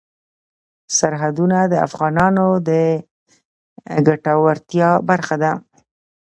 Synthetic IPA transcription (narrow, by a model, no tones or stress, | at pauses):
saɾɦad̪unad̪əa̰fɣɑnɑnod̪ə | ɡaʈawaɾt̪jɑbaɾxad̪a